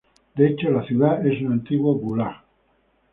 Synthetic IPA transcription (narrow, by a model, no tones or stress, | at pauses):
d̪et͡ʃolaθjuðaesunant̪iɣwaɡula